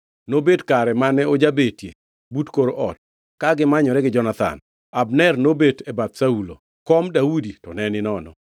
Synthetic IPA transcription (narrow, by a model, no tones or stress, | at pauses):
nobetkaɾɛmanɛod͡ʒabetjḛ | butkoɾoʔɔt̚ | kaɡɪmaɲɔɾɛɡɪd͡ʒɔnat̪a̰n | abnɛrnobetebat̪saulo̰ | kɔmdauditɔnɛnɪnɔnɔ̰